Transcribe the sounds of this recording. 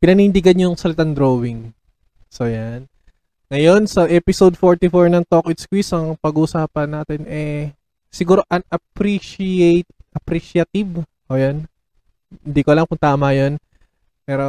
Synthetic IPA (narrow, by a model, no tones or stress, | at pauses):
pɪnɐnind̪ɪɡɐnɲojŋsɐlɪt̪and̪ɾoːwɪŋ | sojan | ŋɐjo̞nsɐʔɛːpɪsowd̪̚foɹt̪ɪfoɹnɐŋt̪okʔɪt̪skwisɐŋpɐɡuːsaːpɐnːaːt̪ɛnʔɛ | sɪɡuːɾo̞ʔɐnɐpɾiʃiejt̪̚ʔɐpɾiʃɐt̪ibʔoːjon | hɪnd̪iːkolɐŋkʊŋt̪aːmɐjon | pɛːɾo̞